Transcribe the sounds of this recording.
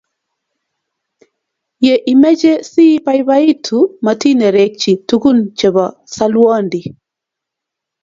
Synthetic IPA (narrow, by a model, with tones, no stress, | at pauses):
je˨ʔi˨mɛ˦d͡ʒɛ˦si˦pa˦jβa˦i˦tʰuma˨ti˦nɛ˨ɾɛ˦k̚t͡ʃi˨tu˦ku˦nt͡ʃɛ˨βɔ˨ | sa˦lwɔ˦ndi˨